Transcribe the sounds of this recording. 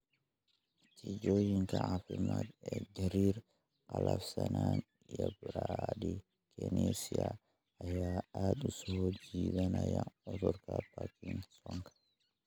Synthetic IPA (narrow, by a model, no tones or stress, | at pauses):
tid͡ʒojiŋkaafimadɛdɛɾiɾ | kalafsanan | jabɾadi | kɛnesia | ajaaɗusɔhod͡ʒiɓanajaɔtɔɾkapakiŋsɔŋkḁ